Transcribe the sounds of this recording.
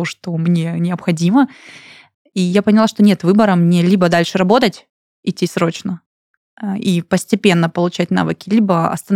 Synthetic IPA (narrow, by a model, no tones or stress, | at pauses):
oʂt̪o̞mnʲe̞nʲɪəpxɐdʲimə | ijapənʲɪlˠaʂt̪onʲet̪vɨbəɾəmnʲelʲibəd̪alʲʂɨɾɐbo̞t̪ətʲ | ɪtʲːisɾo̞t͡ɕnə | ipəsʲtʲɪpʲe̞nːəpəlˠʊt͡ɕæt̚ʲn̪a̰vɨkʲɪlʲibəɐ̰st̪ən